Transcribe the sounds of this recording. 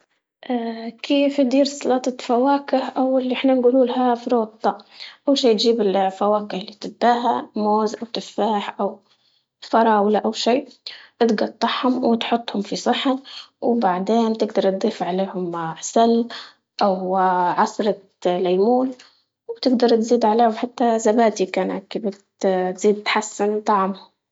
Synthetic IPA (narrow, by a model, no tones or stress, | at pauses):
ʔaːkʰeːfjd̪iːɾsˤɑlɑːt̪ˤɑfawaːkɪhʔawɪlːiʔɪħnanɡuːluːlɦafɾoːt̪ˤːɑʔawʃiːt̪ʒiːbɪlfawaːkɪhɪlːit̪ɪbːaːɦamoːzʔawt̪ɪfːaːħʔaw | fɑɾˤɑːwlaʔawʃiːʔɪt̪ɡɑt̪ˤːɑħhʊmwɪt̪ħʊt̪ˤːhʊmfisˤɨħawbaʕd̪eːnt̪ɪɡd̪ɑɾˤt̪̚d̪ˤiːfʕaleːhʊmʕsalː | ʔawʕɑsˤɾˤɑ | lajmuːl | wt̪ɪɡd̪ɑɾˤt̪ziːd̪ʕaleːhʊmħat̪ːazabaːt̪ikaːnakːɪbɪt̪t̪z̥iːd̪̚t̪ħasːɪnt̪ˤɑʕmhʊm